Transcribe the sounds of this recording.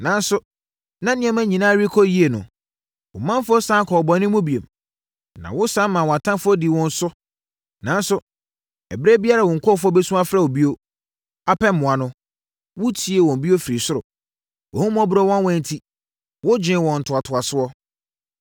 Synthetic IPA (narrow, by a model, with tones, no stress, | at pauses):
nã˨n̩˦sʊ˨ | nã˦nɪ̃˦˨ɛ̃˦mæ˦ɲĩ˨nãː˦ɾi˦kʰɔ˦ji˦e˨nʊ̰̃˨ | wʊ̰˨mã˦m˦fʊ˦ɔ˦sã˦kʰɔ˨bɔ̃˨nɪ̃˦mʊ̃˦bi˨e˨m | nã̰˨wʊ˦sã˦mã˨wɔ˨a˨tʰã˦fʊ˦ɔ˦di˨wɔ̃˦n̩˦sʊ˦ | nã˨n̩˦sʊ˨ | ɛ˨bɾe˦bi˦a˦ɾa˨wɔ̃˨ŋ̩˨kʰɔ˦fʊ˦ɔ˦be˦sũ˦a˦fɾa˦o˨bi˦o˦ | a˦pʰɛ˦m̩˦mʊ̃˨a˨nʊ̃˦ | wʊ˦tʰi˨˦e˨wɔ̃˨m˨bi˦o˦fi˨ɾi˨sʊ˦ɾʊ˨ | wɔ̰˨hũ˦m˦ɔ˦bʊ˨ɾɔ˦wɔ̃˦nwɔ̃˨n̩˦tʰi˦ | wʊ˦d͡ʑᶣɪ̃˨˦wɔ̃˨n̩˨tʰʊ˨a˨tʰʊ˨a˨sʊ˦ɔ˦